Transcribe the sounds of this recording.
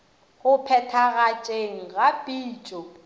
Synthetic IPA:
ɣʊpʰɛtʰaɣat͡ʃʼeŋ̩ɣapʼiːt͡ʃʼɔ

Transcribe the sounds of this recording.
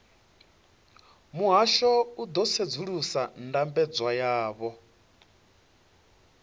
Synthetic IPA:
muɦaʃɔud̪ɔt͡sʰed͡zuɺusandambɛd͡zwajaːβɔ

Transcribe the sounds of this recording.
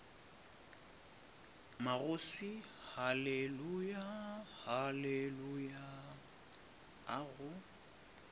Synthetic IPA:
maɣʊsihalelujahaleluja | aɣʊ

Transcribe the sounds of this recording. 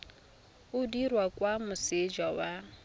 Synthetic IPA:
ʊdirwakʼwamʊsed͡ʒawa

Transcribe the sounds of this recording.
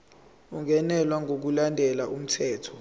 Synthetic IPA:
uŋʱɛnɛlwaŋʱok̬ulandʱɛlaʔum̩tʰɛːtʰɔ̥

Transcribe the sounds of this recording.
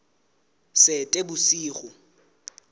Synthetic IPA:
sɪtʼebʊsiːχʊ

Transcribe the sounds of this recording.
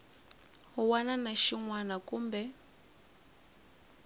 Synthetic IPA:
ɦuwananaʃiŋwanakʼuːmbɛ

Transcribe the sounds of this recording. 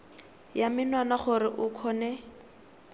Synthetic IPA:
jamɪnwanaχʊɾɪʔʊkʰɔnɛ

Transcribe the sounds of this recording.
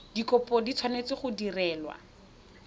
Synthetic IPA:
dikɔpɔdit͡sʰwanet͡sɪχʊdirɛːlwa̰

